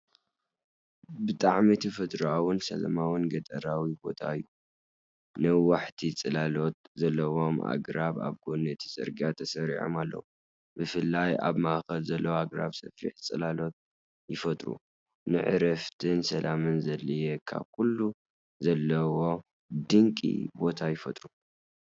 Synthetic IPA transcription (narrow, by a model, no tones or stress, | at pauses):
bɨt̪ʼaʕmit̪ʰɐfɐt̪ʼɾuawʊnsɐ̰lɐ̰mawɨnɡɐt̪ʼɐɾawibo̞̰t̪ʰaɨjːu | nɨwaħt̪ʰit͡sʼɨlalo̞t̪̚zɐlːɐwo̞ma̰ɡɾaβa̰βɡonɐt̪ʰi̥sʼɨ̰ɾɡat̪ʰɐsɐɾḭʕo̰malːɐ̰wu | bɨfɨlːaja̰βmaʔxɐlzɐlːɐwaɡɾaβsɐfɾḭħt͡sʼɨlalo̞t̪̚ | jɪfɐt̪ʼɾṵ | nɨʕɨɾɐft̪ʰɨnsɐlʔamɨnzɐlɨjekʰa̰βkulːu | zɐlːɐwo̞ | d̪ɨŋkʼḭbo̞t̪ʰajɪfɐt̪ʼɾu